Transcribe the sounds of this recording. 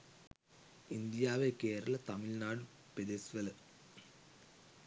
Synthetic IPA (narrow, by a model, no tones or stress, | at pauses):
ind̪ijaːʋeke̞ːɾɐɭɐt̪ɐmilnaːɽɨ | ped̪esʋɐl